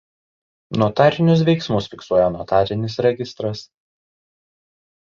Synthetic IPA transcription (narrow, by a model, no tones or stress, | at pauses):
nuɔt̪ɑˑɾʲɪnʲʊs̬ʋʲɛɪksmʊsfʲɪksuɔjɛnuɔt̪ɑːɾʲɪnʲɪsɾʲɛɡʲɪst̪ɾɐs